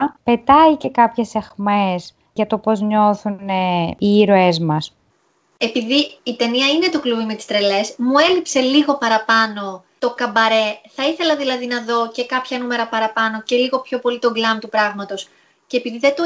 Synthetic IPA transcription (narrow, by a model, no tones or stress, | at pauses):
pe̞t̪ɐice̞kɐpçe̞se̞xmes | ʝɐt̪o̞po̞zɲo̞θuneiːɾoezmɐs | e̞piðiːt̪e̞niɐine̞t̪okluvimet̪i̥st̪ɾe̞le̞smue̞lipse̞liɣo̞pɐɾɐpɐno̞t̪o̞kɐbɐɾe̞θɐiθe̞lɐðilɐðinɐðo̞ce̞kɐpçɐnume̞ɾɐpɐɾɐpɐno̞ce̞liɣo̞pço̞po̞lit̪o̞ɡlɐmt̪upɾɐɣmɐt̪o̞s | ceːpiðiðet̪o